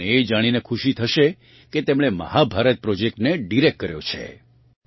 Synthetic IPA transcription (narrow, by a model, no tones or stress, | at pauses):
eːd͡ʒaɽ̃inekʰuʃit̪ʰəʃe | ket̪emɽ̃emə̰habʱaɾət̪̚pɾɔd͡ʒek̚ʈneɖiɾek̚kːəɾjo̰t͡ʃʰḛ